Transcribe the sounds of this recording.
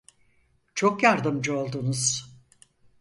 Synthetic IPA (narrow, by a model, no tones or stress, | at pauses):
t͡ʃʰo̞kjaɾd̪ɯmd͡ʒɯo̞lˠd̪unuz̥